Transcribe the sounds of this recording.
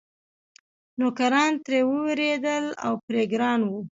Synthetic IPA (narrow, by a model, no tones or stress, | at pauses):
nokaɾɑnt̪ɾewəwɾed̪əla̰wpɾeɡɾɑnwu